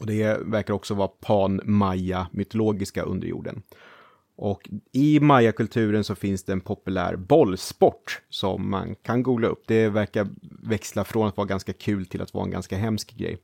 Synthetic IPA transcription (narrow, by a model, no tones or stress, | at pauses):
ɔd̪ɛvæɾkaɾɔksɔvɑːapʰɑːnmajamʏt̪ʊloːɡɪskaʔɵ̰nd̪ə̰ɾjṵːɖə̰n | ʔɔkɪmajːakɵlt̪ʰʉ̟ːɾənsɔfɪnsd̪ɛːnpʰɔpɵlæ̰ːɾbɔlːspɔʈːsɔ̰mːa̰nkʰanɡuːɡlaɵ̰pːd̪ɛvæɾkaɾvɛkslafɾoːnat̪vɑːɾaɡanskakʰʉ̟ːlt̪ʰɪla̰t̪vɑ̰ːaɛ̰nɡa̰nskaɦɛmskɡɾɛ̰j